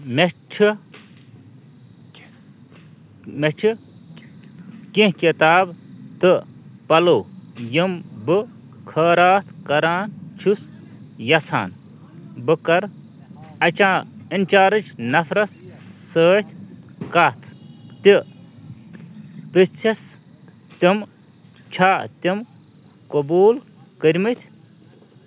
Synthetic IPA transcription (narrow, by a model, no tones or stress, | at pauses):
met͡ʃʰi | met͡ʃʰi | kĩɦkʲet̪aːb | t̪ɨ | pɐloː | jimbɨ | kʰɐːɾaːt̪ʰkɐɾaːnt͡ʃʰus | jɐt͡sʰa̰ːn | bɨkɐɾ | ɐt͡ʃãː | inʲt͡ʃaːɾɨt͡ʃʰnɐfʰɾɐsː | əːt̪ʲʰ | kɐt̪ʰ | t̪i | pɨst͡ʃʰɐs | t̪ʲim | t͡ʃʰaːt̪ʲim | kɐbuːl | kəɾʲmɨt̪ʲʰ